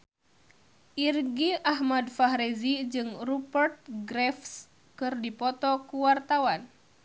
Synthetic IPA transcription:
ʔirɡiaɦmadfaɦɾezid͡ʒɨŋrupərt̪̚ɡɾɛfs | kɨrdipɔt̪ɔkuwart̪awan

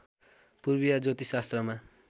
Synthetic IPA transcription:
purbijad͡zot̪isast̪rʌma

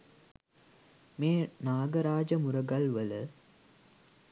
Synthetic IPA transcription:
meːnaːɡəɾaːd͡ʒəmuɾəɡɐlʋələ

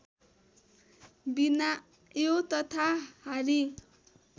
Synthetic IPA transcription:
bina | jot̪ʌt̪ʰahaɾi

